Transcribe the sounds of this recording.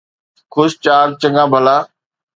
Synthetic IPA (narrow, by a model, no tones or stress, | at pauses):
kʰʊst͡ɕaːɾt͡ɕə̃ŋɡãːbʱəlaː